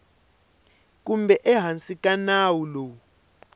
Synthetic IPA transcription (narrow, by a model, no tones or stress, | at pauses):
k̬ʼumbɛʔɛɦant͡sʼikanaːwulɔ